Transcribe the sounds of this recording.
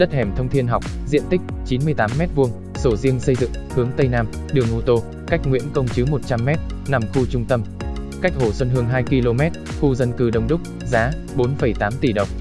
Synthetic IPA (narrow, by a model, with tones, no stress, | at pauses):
ɗə˦˥t̚hɛ˧˩mt̪ʰə˧wŋ͡mt̪ʰi˧ənɦa˨˩wk͡p̚zḭ˧˨ənt̪ï˦˥k̚t͡ɕi˨˦nmɨ˧əjt̪aː˨˦mːɛ˦˥t̚vu˧əŋ | so˧˩zi˧əŋsə˧jzɨ̰˧˨ŋhɨ˨˦əŋt̪ə˧jnaː˧m | ɗɨ˨˩əŋʔo˧t̪o˧ | ka˦˥jk̟̚ŋwḭ˧˥ənkə˧wŋ͡mt͡ɕɨ˨˦mo˨˩t̚t͡ɕa˧mːɛ˦˥t̚na˨˩mxu˧t͡ɕʊ˧ŋ͡mt̪ə˧m | ka˦˥jk̟̚ho˧˩swə˧nɦɨ˧əŋɦaː˧jki˧lo˧mɛ˦˥t̚xu˧zə˧nkɨ˨˩ɗə˨˩wŋ͡mɗʊ˦˥k͡p̚ | zaː˨˦ | ɓo˨˦nfə˧˩jt̪aː˨˦mt̪i˧˩ɗə˨˩wŋ͡m